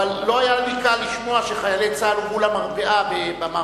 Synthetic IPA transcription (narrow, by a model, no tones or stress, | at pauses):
alːo̞ajalikaliʃmo̞aʃeχajalet͡saluvulamaʁbeʔabebama